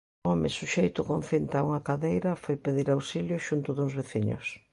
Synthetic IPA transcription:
ɔmɪsuʃejt̪ʊkõnθint̪auŋɐkaðejɾɐfojpeðiɾawsiljʊʃunt̪ʊðuŋzβeθiɲʊ̰s

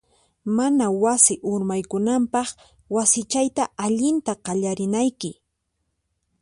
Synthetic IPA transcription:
manawasɪʔʊɾmajkʊnampɑχ | wasɪt͡ʃajt̪aaʎɪnt̪aqɑʎaɾɪnajkɪ

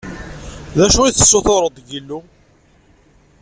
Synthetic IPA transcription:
ðæʃuiθə̥sːoθoɾˤəd̪ˤʝilːu

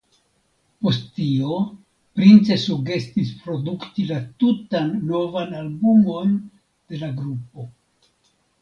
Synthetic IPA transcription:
po̞stːio̞ | pɾint͡se̞suɡe̞stispɾo̞duktilatutanːo̞vanalbumo̞n | d̥e̞laɡɾup̚o̞

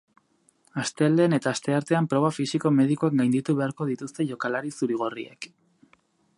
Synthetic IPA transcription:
ast̪e̞ld̪e̞ne̞t̪aːst̪e̞aɾt̪e̞ampɾo̞βafisiko̞me̞ð̞ikuakɡajnd̪it̪uβe̞aɾko̞ð̞it̪ust̪e̞ʝo̞kalaɾisuɾiɣ̞o̞rḭḛk

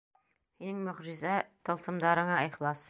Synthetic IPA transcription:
hinɘŋmɵ̆ʁʒɪ̆zæt̪ɤ̆lˠsɤ̆md̪ɑɾɤ̆ɴɑiχlˠɑs

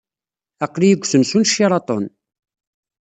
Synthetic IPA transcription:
æqːlijəɡʷːsənsunʃːiɾˤɑt̪ˤo̰n

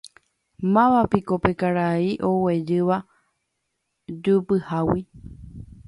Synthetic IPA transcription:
mãʋapikopekaɾaiʔo̞we̞d͡ʒɨʋa | d͡ʒupɨhawi

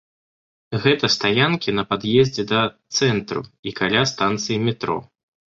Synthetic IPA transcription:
ɣɛt̪ɐst̪ajankʲinɐpad̪jɛzʲd͡zʲɛd̪ɐt̪sɛnt̪ɾṵikalʲast̪ant̪sɨjimʲɛt̪ɾɔ̰

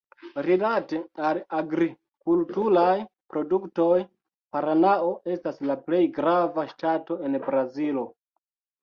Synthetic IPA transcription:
ɾilate̞alaɡɾi | kultuɾaj | pɾo̞dukto̞j | paɾanao̞ʔe̞staslaple̞jɡɾavaʃtato̞e̞nbɾazilo̞

